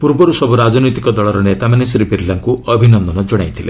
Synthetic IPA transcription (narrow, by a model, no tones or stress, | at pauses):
puɾbɔɾusɔbʱuɾad͡ʒɔnɔjt̪ikɔd̪ɔɭɔɾɔnet̪amanesɾipiɾlaŋkuɔbʱinɔnd̪ʱɔnɔd͡ʒɔɽ̃ajt̪ʰile